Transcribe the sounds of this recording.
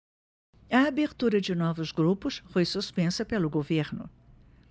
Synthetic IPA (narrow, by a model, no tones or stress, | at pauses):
ɐabeɾt̪uɾɐd͡ʒɪnɔvʊzɡɾupʊsfojsuspẽsɐpelʊɡoveɾnʊ̰